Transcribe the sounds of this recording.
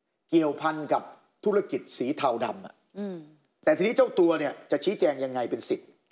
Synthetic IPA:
ki˨˩əwpʰa˧nka˨˩p̚ | t̪ʰu˦˥ɾa˧ki˨˩t̪̚siː˩˦t̪ʰa˧˩wda̰˧mʔa̰˨˩ | t̪ɛː˨˩t̪ʰiː˧ni˦˥t͡ɕa˥˩wt̪u˧ɐni˥˩ət͡ɕa˨˩ʔt͡ɕʰiː˦˥t͡ɕɛː˧ŋja˧ŋːa˧jpe˧nsi˨˩t̪̚

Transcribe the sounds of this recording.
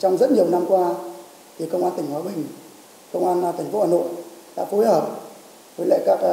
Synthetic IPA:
t͡ɕɔ˧wŋ͡mzə˦˥t̚ɲi˨˩əwna˧mkwaː˧ | t̪ʰi˨˩kə˧wʔaː˧nt̪ï˨˩ŋ̟hwaː˨˦ɓï˨˩ŋ̟ | kə˧wŋ͡mʔaː˧nt̪ʰa˨˩ŋ̟fo˧˦hwaː˨˩no̰˧˨jɗa̰ː˧˥fu˨˧˦jt̪əː˧˩p̚ | və˨˦lə̰˧˨jkaː˦˥k̚

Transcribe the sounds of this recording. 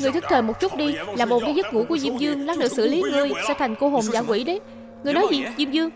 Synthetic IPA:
ŋ˨˩jt̪ʰɨ˦˥k̚t̪ʰəː˨˩mo˨˩t̚t͡ɕu˦˥t̚ɗi˧laː˨˩ɓo˨˩kaː˨˦jzə˦˥t̚ŋṵ˧˥ku˧˩əzi˧əmzɨ˧əŋla˦˥k̚nɨ̰˧˥sɨ̰˧˩li˨˦ŋɨ˨˩əjsɛ̰ː˧˩t̪ʰjŋ̟ko˧ɦo˨˩mzaː˧˩kwḭ˧˩˥ɗə˨˦ | ŋɨ˨˩əjnɔ˨˦jzi˨˩zi˧mzɨ˧əŋ

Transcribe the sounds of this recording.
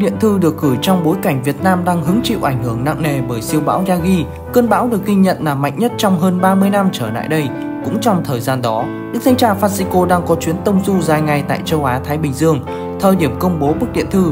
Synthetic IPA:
ɗḭ˧˨ənt̪ʰɨ˧ɗɨ˨˩ək̚ɣɨ˧˩jt͡ɕɔ˧wŋ͡mɓo˨˦jka˧˩jŋ̟vi˨˩ət̚naː˧mɗaː˧ŋɦɨ˨˦əŋt͡ɕḭ˧˨wʔa˧˩jŋ̟hɨ˧˩əŋna̰˧˨ŋŋe˨˩ɓəː˧˩jsi˧əwɓa̰ː˧˥wzaː˧ɣi˧ | kəː˧nɓa̰ː˧˥wɗɨ˨˩ək̚ɣi˧ŋɲə̰˧˨nlaː˨˩mːa̰˧˨jŋ̟ɲə˦˥t̚t͡ɕɔ˧wŋ͡mɦəː˧nɓaː˧mɨ˧əjna˧mt͡ɕəː˧˩la̰ː˧˨jɗə˧j | kʊ̰˧˥ŋ͡mt͡ɕɔ˧wŋ͡mt̪ʰəː˨˩jzaː˧nɗɔ˨˦ | ɗɨ˦˥k̚t̪ʰŋ̟t͡ɕaː˧˩faː˧t̚si˧ko˧ɗaː˧ŋkɔ˨˦t͡ɕwi˨˦ənt̪ə˧wŋ͡mzu˧zaː˨˩jŋa˨˩jt̪a̰ː˧˨jt͡ɕə˧wʔaː˨˦t̪ʰaː˨˦jɓï˨˩ŋ̟zɨ˧əŋ | t̪ʰəː˨˩jɗi˧˩əmkə˧wŋ͡mɓo˨˦ɓɨ˦˥k̚ɗḭ˧˨ənt̪ʰɨ˧

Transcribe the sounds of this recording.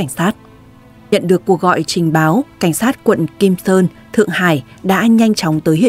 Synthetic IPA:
ŋ̟saː˦˥t̚ | ɲə̰˧˨nɗɨ˨˩əkːu˧˩ək̚ɣɔ̰˧˨jt͡ɕï˨˩ŋ̟ɓaː˨˦wka˧˩ŋ̟saː˦˥t̚kwə̰˧˨nki˧msəː˧n | t̪ʰɨ̰˧˨əŋhaː˧˩jɗa̰ː˧˥ɲa˧jŋ̟t͡ɕɔ˨˦wŋ͡mt̪əː˨˦jhḭ˧˨

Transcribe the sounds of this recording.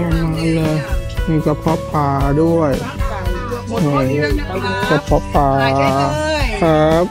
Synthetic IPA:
a˧˩maː˧˥jlɤː˧miː˧˩ka˧˩pʰɔ˦˥pːaː˧du˥˩əj | ʔɯː˧˩ | ka˧˩pʰɔ˦˥pːaː˧ | kʰa˦˥p̚

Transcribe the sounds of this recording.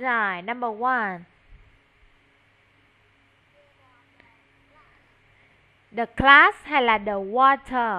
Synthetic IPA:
za˨˩jna˧mbə˨˩wa˧n | ɗə˨˩kla˦sha˧˩laː˨˩ɗə˨˩wɔ˧tʰə˨˩

